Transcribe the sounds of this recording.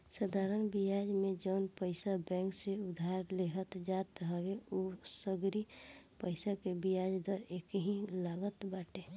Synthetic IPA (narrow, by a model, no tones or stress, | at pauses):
sad̪ʱaɾənbijad͡ʒmẽd͡ʒəʊnpəɪsabɛ̃ŋkseʊd̪ʱaɾleɦət̪d͡ʒat̪ɦəweosəɡɾipəɪsakebijad͡ʒd̪əɾekəɦĩlaɡət̪baːʈe